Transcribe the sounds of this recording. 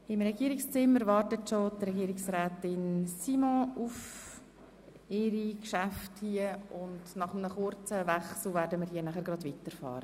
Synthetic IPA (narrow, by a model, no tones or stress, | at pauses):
ɪmɾɛɡiːəɾɪkst͡sɪmːəɾvɑɾtətʃotrɛɡiːɾɪksɾɛːtɪnsimɔ̃uf | ɪɾikʃæfthiəʊndnɑχəmnəχʊrt͡səvɛχsl̩ˠvɛːɾdəməɾhiːənæχəɾɡɾɑdʋitəɾfɑ̰ːɾə